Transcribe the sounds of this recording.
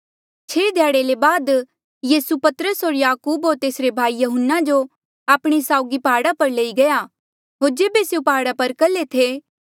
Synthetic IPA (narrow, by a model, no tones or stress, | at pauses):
t͡ʃʰeːd̪ʱjaːɽelebaːd̪ | jiːsupɐt̪əɾəsɦoːɾjaːkuːbɦoːɾt̪eːsɾebʱaːijɐɦənːad͡ʒo | aːpɽ̃esaːʊɡipaːɽapɐɾleːiɡɐja | ɦoːɾd͡ʒeːbeseupaːɽapɐɾkɐlet̪ʰe